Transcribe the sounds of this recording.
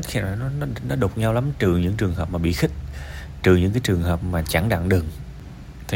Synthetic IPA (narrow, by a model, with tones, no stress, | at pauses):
xi˧˨˩nɔ˨˦nɔ˨˦nɔ˨˦ɗo˨˩t̚ɲa˧wla˨˦mt͡ɕɨ˨˩ɲɨ̰˧˥ŋt͡ɕɨ˨˩əŋɦəː˨˩p̚maː˨˩ɓḭ˧˨xï˦˥k̚ | t͡ɕɨ˨˩ɲɨ̰˧˥ŋkaː˨˦jt͡ɕɨ˨˩əŋhəː˨˩p̚maː˨˩t͡ɕa˧˩ŋɗa̰˧˨ŋɗɨ˨˩ŋ | t̪ʰi˨